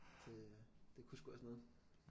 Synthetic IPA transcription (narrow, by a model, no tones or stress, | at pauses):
d̥e̝d̥e̝kʰusɡ̥uɐ̰snɔːð̩ˠ